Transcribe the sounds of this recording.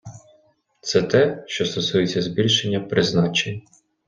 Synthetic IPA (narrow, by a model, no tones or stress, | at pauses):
t̪sɛt̪ɛʃt͡ʃɔst̪ɔsujet͡sʲːɐzbʲilʲʃenʲːɐpɾɪznɑt͡ʃenʲ